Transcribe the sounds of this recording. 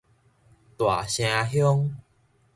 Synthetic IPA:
t̪wa̰˨˩ɕj̃ã˧ɦjɔ˦ŋ

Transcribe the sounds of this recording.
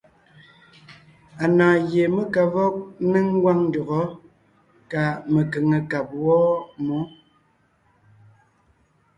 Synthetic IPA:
a˨naː˨je˨me˦ka˨vɔ˦k̚ne˦ŋ̩˦ɡwa˦ŋn˦dɔ˨ɣɔ˨˦ | ka˨me˨ke˨ŋə˨ka˨p̚wɔ˦mɔ˨˦

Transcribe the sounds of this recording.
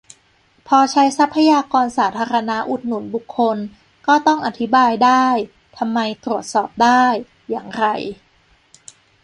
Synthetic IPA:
pʰɔː˧t͡ɕʰa˦˥jsa˦˥pʰːa˧jaː˧kɔː˧nsaː˩˦t̪ʰaː˧ɾa˧na˦˥ʔu˨˩t̪̚nu˨˩˦nbu˨˩kʰːo˧n | kɔː˥˩t̪ɔ˥˩ŋʔa˨˩t̪ʰi˦˥baː˧jdaː˥˩j | t̪ʰa˧mːa˧jt̪ɾu˨˩ət̪̚sɔː˨˩p̚daː˥˩jː | aː˨˩ŋɾa˧j

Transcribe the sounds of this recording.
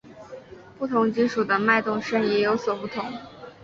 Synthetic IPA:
pu˥˩t̪ʰʊ˧˥ŋt͡ɕi˥nʂu˨˩d̪ə˦ma˥˧ɪt̪ʊ˥˧ŋʂə˥njɛ˧˥jo˧˥ʊswɔ˨˩pu˥˩t̪ʰʊ˧˥ŋ

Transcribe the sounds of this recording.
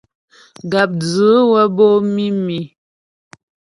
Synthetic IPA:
ɡa˨p̚d͡zə˨˦wə˦bo˦mi˦mi˨

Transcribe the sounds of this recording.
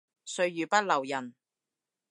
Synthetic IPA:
sɵ˧ɥjyː˨pɐ˥t̚lɐ˨˩wjɐ˨˩n

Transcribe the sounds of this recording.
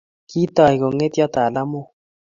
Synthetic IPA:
ki˦t̪ɔ˨i˨ko˨ŋe˦t̪jɔ˦t̪a˨la˦mo˦

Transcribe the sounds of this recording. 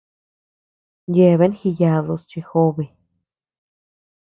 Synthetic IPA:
je˧˨βe˦nxi˧ja˧ðo˧st͡ʃi˧xo˧βe˧

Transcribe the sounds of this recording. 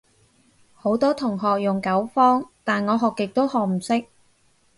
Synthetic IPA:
ho˨˥wt̪ɔː˥t̪ʰʊ˨˩ŋɦɔː˨k̚jʊ˨ŋkɐ˨˥wfɔː˥ŋt̪aː˨nŋɔː˨˧ɦɔː˨˩kːɪ˨k̚t̪o˥whɔː˨k̚m̩˨˩sɪ˥k̚

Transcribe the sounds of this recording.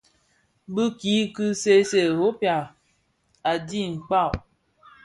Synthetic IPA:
bɨ˦ki˨˦kɨ˦se˦se˨ho˦pa˨ | a˨di˦˨ŋ͡m̩˨k͡pa˦˨

